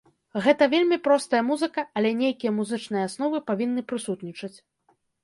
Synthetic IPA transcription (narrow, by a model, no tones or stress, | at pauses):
ɣɛt̪ɐvʲelʲmʲipɾɔst̪ɐjɐmuzɨkɐɐlʲɛnʲejkʲijɐmuzɨt͡ʂnɨjɛasn̪ɔvɨpavʲinːɨpɾɨsut̪nʲit͡ʂɐt͡sʲ